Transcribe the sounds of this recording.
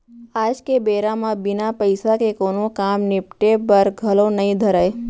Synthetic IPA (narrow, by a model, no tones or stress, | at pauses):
ad͡ʒkebeɾamãbɪnapəjsakekonokamnɪp̚ʈebəɾɡʱəlonəɦĩd̪ʱəɾaj